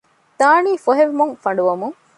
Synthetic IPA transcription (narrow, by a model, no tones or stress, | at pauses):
t̪aːniːfoɦeʋmuŋfɐɳɖuʋɐmuŋ